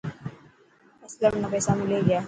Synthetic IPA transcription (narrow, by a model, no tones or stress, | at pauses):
ɐsləmnɐpɛːsamɪleɡɐjaː